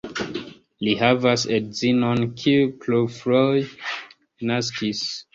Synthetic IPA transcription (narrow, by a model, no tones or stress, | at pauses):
lihavasedzinɔ̃nkʰikʰlofɹɔj | naskʰis